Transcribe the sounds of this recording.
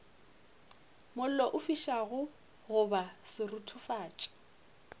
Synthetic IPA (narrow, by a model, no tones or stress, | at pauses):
mʊl̩lɔʔʊfiʃaɣʊ | ɣʊbasɪrʊtʰʊfaːt͡ʃʼḁ